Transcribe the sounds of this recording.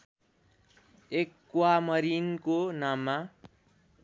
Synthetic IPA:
ekːwamʌɾinkonamːa

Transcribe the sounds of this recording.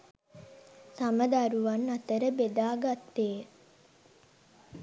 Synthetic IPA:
saməd̪aɾuʋanːat̪əɾəbed̪aːɡat̪ːeː

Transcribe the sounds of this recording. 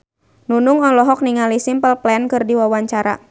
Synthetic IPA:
nunuŋɔlɔɦɔk̚niŋalisimpəlplɛnkɨrdiwawaɲt͡ʃaɾa̰

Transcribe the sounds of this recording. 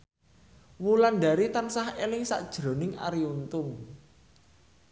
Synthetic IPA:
wulanɖa̤ɾit̪ansahelɪŋsa̰ʔd̥ʒ̥ɾo̤nɪŋa̰ɾiunt̪ʊŋ

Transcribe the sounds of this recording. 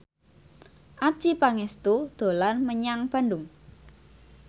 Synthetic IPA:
ʔḁʒ̥ipaŋɛst̪ud̪̥o̤lanməɲaŋb̥a̤ndʊŋ

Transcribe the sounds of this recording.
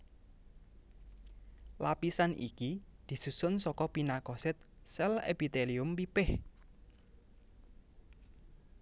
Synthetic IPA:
lapisanʔḭkid̪̥i̤susʊnsɔkɔpinakɔsɪt̪̚sɛlḛpit̪eliʊmpipɪh

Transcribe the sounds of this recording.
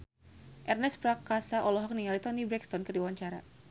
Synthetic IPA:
ʔɛrnɛspɾakasaʔɔlɔɦɔk̚niŋalit̪ɔnibɾɛkst̪ɔnkɨrdiwaɲt͡ʃaɾa̰

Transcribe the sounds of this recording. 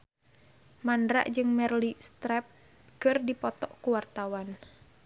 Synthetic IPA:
mandɾa̰ʔd͡ʒɨŋmɛrlist̪ɾɛp̚ | kɨrdipɔt̪ɔʔkuwart̪awan

